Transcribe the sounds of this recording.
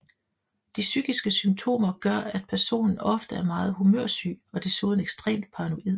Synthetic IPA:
d̥isyɡ̥isɡ̥əsymt͡sʰo̝̰ːmɐɡ̥ɶɐæd̥̚pʰæɐso̝̰ːnn̩ɒ̽fd̥əæɐmɑ̈ːð̩ˠɦumø̰ɐ̰sy̰ːɒ̽d̥esoːðˠn̩eɡ̥sd̥ʁɛ̰ːmd̥̚pʰɑ̈ʁno̝ʔið̰ˠ

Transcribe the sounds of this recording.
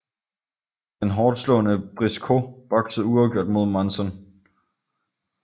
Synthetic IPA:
d̥enɦɒːd̥slɔ̰̽ːnəb̥ʁiskʰo̝b̥ɒ̽ɡ̥səð̩ˠuɑʊɡ̥jo̝ɐ̰d̥mo̝ð̞ˠmɑnsɒn

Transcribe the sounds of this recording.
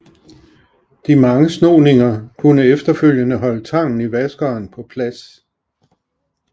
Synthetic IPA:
d̥imɑ̈ŋəsnoːne̝ŋɐkʰunəefd̥ɐføl̰jənəɦɒ̽lət͡sʰɑ̈ŋ̰n̩iʋæsɡ̥ɐːnpʰɒ̽pʰlæs

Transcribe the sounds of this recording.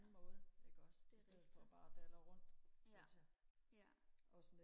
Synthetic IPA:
n̩mɔ̽ːð̩ˠeɡ̥ɒd̥d̥sdeð̩̰ˠfɒ̽b̥ɑ̈ːd̥ælɐʁɔ̽n̰d̥sæ | ɒ̽sɔne

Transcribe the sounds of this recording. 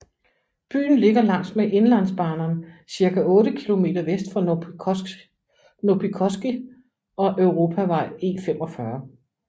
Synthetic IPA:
b̥y̰ːn̩le̝ɡ̥ɐlɑ̈ŋ̰sd̥meʔe̝nlæn̰sb̥ɑ̈ːnɐnsiɐkʰæʔɔ̽ːɾəkʰilo̝me̝̰ːdɐʋesd̥fɒ | nopʰikʰɒsɡ̥i | ɒ̽ʔøʊʁo̝ːpʰæʋɑ̈ɪ̰e̝̰ːfemɒ̽fɶɐ

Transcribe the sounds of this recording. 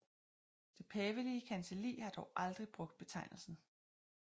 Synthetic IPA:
d̥e̝pʰɛːʋəliəkʰænsəlḭːhɑ̈d̥ɒʊʔɑld̥ʁib̥ʁɔ̽ɡ̥d̥̚b̥e̝t͡sʰɑ̈ɪ̰nl̩sn̩

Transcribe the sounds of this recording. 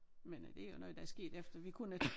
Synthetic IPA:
mend̥e̝æjo̝nɔ̽ð̞ˠd̥ɑæɐsɡ̥e̝̰ːd̥efd̥ɐʋikʰunə

